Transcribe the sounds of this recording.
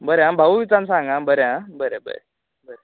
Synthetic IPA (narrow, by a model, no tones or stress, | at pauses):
bəɾeãbʱəʋʋit͡sansãŋɡãbəɾeãbəɾebə̰ɾe | bəɾe